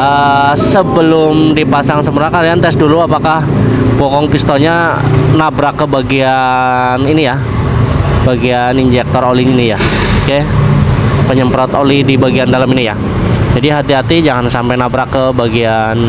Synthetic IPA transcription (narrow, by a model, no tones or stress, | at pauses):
ʔəsəbəlʊmdipasaŋsəməɾakaɾiant̪ɛsduluapakahbokɔŋpist̪oɲa | nabɾakːəbaɡia | ninija | baɡianind͡ʒɛk̚t̪ɔɾoliŋinijake | pəɲəmpɾɔt̪olidibaɡiandalaminija | d͡ʒadiɦat̪iɦat̪id͡ʒaŋansampajnabɾakəbaɡian